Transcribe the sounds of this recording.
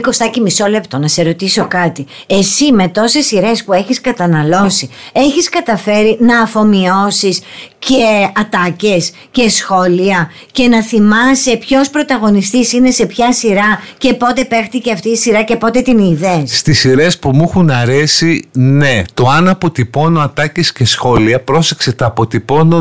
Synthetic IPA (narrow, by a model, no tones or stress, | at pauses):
ko̞st̪ɐcimiso̞le̞pt̪o̞nɐse̞ɾo̞t̪iso̞kɐt̪i | esime̞t̪o̞se̞siɾe̞spue̞çiskɐt̪ɐnɐlo̞sie̞çiskɐt̪ɐfe̞ɾinɐːfo̞mio̞sisceɐt̪ɐce̞s | ce̞sxo̞liɐ | ce̞nɐθimɐsepço̞spɾo̞t̪ɐɣo̞nist̪isine̞se̞pçɐsiɾɐce̞po̞t̪e̞pe̞xt̪iceɐft̪iːsiɾɐce̞po̞t̪e̞t̪iniðesst̪isiɾe̞spumuxunɐɾe̞sine̞t̪o̞ɐnɐpo̞t̪ipo̞noɐt̪ɐcesce̞sxo̞liɐpɾose̞kse̞t̪ɐːpo̞t̪ipo̞no